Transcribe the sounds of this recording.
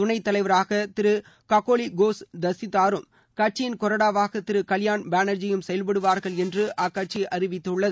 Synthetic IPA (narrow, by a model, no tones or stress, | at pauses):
t̪ʊnɐɪt̪ːɐlɐɪʋɐɾaːɣɐt̪ɪɾɯ | kɐkoːliɡoːsd̪ɐsɪt̪ːaːɾɯm | kɐʈ̚t͡ʃːɪjɪnkɔɾɐɽaːʋaːɣɐt̪ɪɾɯkɐljaːnbaːnɐɾd͡ʒɪjɯmsɛjɐlpɐɽɯʋaːɾɣɐɭɛndrɯʔakːɐʈ̚t͡ʃiʔɐɾɪʋɪt̪ːɯɭːɐð